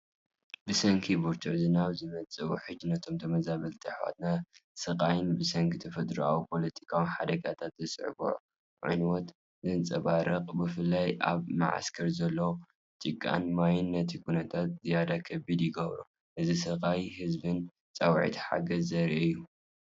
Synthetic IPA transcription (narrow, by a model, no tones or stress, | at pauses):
bɨsɐŋkʰibuɾt̪ʰɨʕzɨnaβzɨmɐt͡sʼɨuħɨd͡ʒnɐt̪ʰo̞mt̪ʰɐmɐzaβɐlt̪ʰɨħwa̰t̪nasɐqʼajɪnbɨsɐŋkʰit̪ʰɐfɐt̪ʼɾa̰wipʰo̞lɐt̪ʰi̥kʰawinħad̪ɐɡat̪ʰat̪zɨsʼɨ̰ʕbṵʕ | ʕṵnwot̪ | zɨnt͡sʼɐβaɾɐqʼbɨfɨlːajʔa̰βma̰ʕa̰skʰɐɾzɐlːo | t͡ʃʼɨkʼːa̰nmajɪnːɐt̪ʰikʰunɐt̪ʰat̪̚zɨjad̪akʰːɐbid̪jɪɡɐβɾṵ | ʔɨzisɐqʼajhɨzbɨn | t͡sʼɐwʕḭt̪ħa̰ɡɐzːɐɾiʔɨjːu